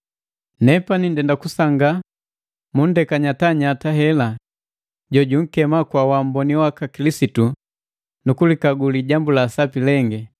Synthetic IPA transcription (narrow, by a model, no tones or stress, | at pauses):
nɛpanindɛndakusaŋɡa | mun̩dɛkaɲataɲataɦɛla | ɟɔɟuŋ̩kɛmakwawam̩bɔniwakakilisitu | nukulikaɡuliɟambulasapilɛŋɡɛ